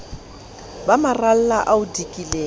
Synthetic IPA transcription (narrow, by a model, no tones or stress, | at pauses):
bamaral̩laʔaʊdikʼilɛː